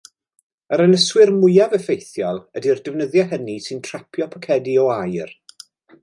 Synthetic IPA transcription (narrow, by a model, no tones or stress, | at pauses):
əɾənəswɪrmʊjavɛfejθjalˠədirdəvnəðjaɦənisɨntʰrapʰjɔpʰəkʰɛdiɔajr